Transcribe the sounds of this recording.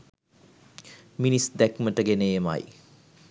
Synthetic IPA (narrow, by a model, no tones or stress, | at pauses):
minisd̪ækməʈəɡenejema̰j